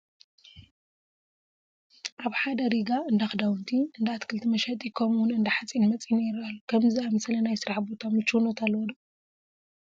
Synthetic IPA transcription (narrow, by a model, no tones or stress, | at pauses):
ʔaβħad̪ɐɾiɡaɨnd̪axd̪awnt̪ʰiɨnd̪aat̪kʰɨlt̪ʰimɐʃɐt̪ʼikʰɐmʊnɨnd̪ɐħat͡sʼinmɐt͡sʼineɾalːukʰɐmziamɐslɐnajsɨɾaħbot̪ʰamɨt͡ʃunot̪ʰalːwd̪ɐ